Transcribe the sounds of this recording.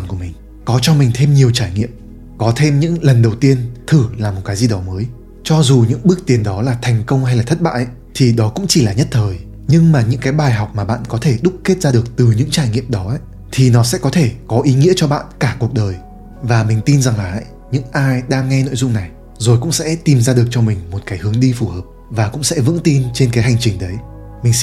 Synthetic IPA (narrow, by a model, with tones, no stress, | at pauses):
nku˧˩əmï˨˩ŋ̟ | kɔ˨˦t͡ɕɔ˧mï˨˩ŋ̟t̪ʰe˧mɲi˨˩əwt͡ɕaː˧˩jŋḭ˧˨əm | kɔ˨˦t̪ʰe˧mɲɨ̰˧˥ŋlə˨˩nɗə˨˩wt̪i˧ənt̪ʰɨ˧˩laː˨˩mo˨˩t̚kaː˨˦zi˧˩ɗɔ˨˦məː˨˦j | t͡ɕɔ˧zu˨˩ɲɨ̰˧˥ŋɓɨ˦˥ək̚t̪i˨˩ənɗɔ˨˦laː˨˩t̪ʰɛ˨˩jŋ̟kə˧wŋ͡mha˧jlaː˨˩t̪ʰə˦˥t̚ɓa̰ː˧˨ʔ | t̪ʰi˨˩ɗɔ˨˦kʊ̰˧˥ŋ͡mt͡ɕi˧˩laː˨˩ɲə˦˥t̚t̪ʰəː˨˩j | ɲɨ˧ŋmaː˨˩ɲɨ̰˧˥ŋkaː˨˦jɓaː˨˩jɦɔ˨˩wk͡p̚maː˨˩ɓa̰ː˧˨nkɔ˨˦t̪ʰe˧˩ɗʊ˦˥k͡p̚ke˦˥t̚zaː˧ɗɨ˨˩ək̚t̪ɨ˨˩ɲɨ̰˧˥ŋt͡ɕaː˧˩jŋḭ˧˨əmɗɔ˨˦ʔə˧˦ | t̪ʰi˨˩nɔ˨˦sɛ̰˧˥kɔ˨˦t̪ʰe˧˩kɔ˨˦ʔi˨˦ŋḭ˧˥ət͡ɕɔ˧ɓa̰ː˧˨nkaː˧˩ku˨˩ək̚ɗəː˨˩j | vaː˨˩mï˨˩ŋ̟t̪i˧nza˨˩ŋlaː˨˩ʔ | ɲɨ̰˧˥ŋʔaː˧jɗaː˧ŋːɛ˧no̰˧˨jzʊ˧ŋ͡mna˨˩j | zo˨˩jkʊ̰˧˥ŋ͡msɛ̰˧˥t̪i˨˩mzaː˧ɗɨ˨˩ək̚t͡ɕɔ˧mï˨˩ŋ̟mo˨˩t̚kaː˨˦jhɨ˨˦əŋɗi˧fu˧˩həː˨˩p̚ | vaː˨˩kʊ̰˧˥ŋ͡msɛ̰˧˥vɨ̰˧˥ŋt̪i˧nt͡ɕe˧nkaː˨˦ɦa˨˩jŋ̟t͡ɕï˨˩ŋ̟ɗə˨˦j | mï˨˩ŋ